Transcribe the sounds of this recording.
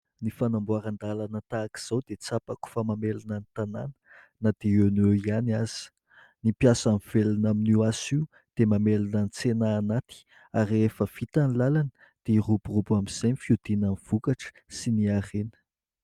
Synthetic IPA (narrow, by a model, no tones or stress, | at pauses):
nifanambuaɾand̪alanət̪aːki̥z̥awd̪et͡sapaku̥famamelanənit̪ana̰nə̥ | nad̪̥eewnewianiaz̥i̥ | nimpjasamivelanaminuwasiw | d̪̥emamelanənit͡senaːnat̪i̥ | aɾiefəv̥it̪anilalanə̥ | d̪̥eiruburubuamiz̥ejnifiud̪inaniv̥ukaʈ͡ʂə̥ | siniarenə̥